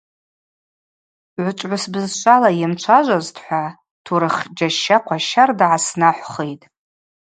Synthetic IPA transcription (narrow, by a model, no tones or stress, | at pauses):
ʕʷʊt͡ʃʷʼʕʷʊsbɨzʃʷʰʼalajɪmt͡ʃʷʰaʒʷaztʰħʷa | tʰuɾɨχd͡ʒaʃːaqʷʰaʃardʕasnaħʷχejtʼ